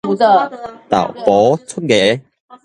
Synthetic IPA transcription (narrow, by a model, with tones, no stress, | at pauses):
u˨ə˧t̪a̰˨˩wpɔ˨˦t͡sʰu˥ɡe˨˦